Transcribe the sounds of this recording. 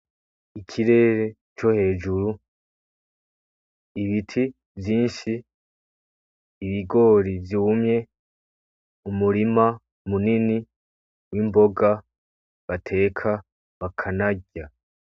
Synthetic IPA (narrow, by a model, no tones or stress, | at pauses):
ikʰiɾe̞ːɾe̞ | t͡ʃo̞he̞ːd͡ʒuɾu | iβitʰi | vjiːnʃi | βiɡo̞ːɾivjuːmɲe̞ | umuɾima | munini | wimbo̞ɡa | βatʰe̞ːkʰa | βakʰanaɟa